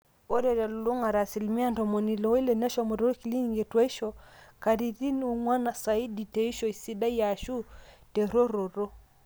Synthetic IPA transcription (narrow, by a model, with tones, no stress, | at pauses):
o˦ɾɛ˨ɾɛ˨lu˨lu˦ŋa˨ɾa˨si˨lmi˦a˦ntɔ˨mo˨ni˨lɔ˨˦i˦le˨nɛ˦ʃɔ˨mo˨ɾo˦ɾki˨li˦ɲ˨ŋɡe˨twa˦i˦ʃɔ˨ka˨ɾi˨ti˦n˦u˨ŋwa˦na˨sa˨i˦di˨te˨i˦ʃɔ˨i˨si˦da˦ja˨ʃu˦te˨ɾo˦ɾo˨ɾo˦